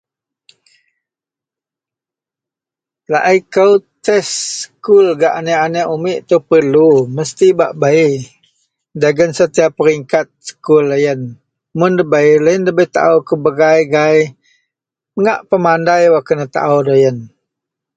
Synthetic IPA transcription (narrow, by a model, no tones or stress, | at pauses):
la̰ʔikəwt̪ɛsːkulɡaʔaneanəʔumiʔt̪upərluməst̪iba̰ʔbai | daɡənsət̪iapːəɾiŋkat̪̚sə̥kulːəjən | mʊndəbəiləjəndəbət̪a̰ʔəwkəbəɡajɡaj | əŋaʔpəmandajwakənət̪a̰ʔədajən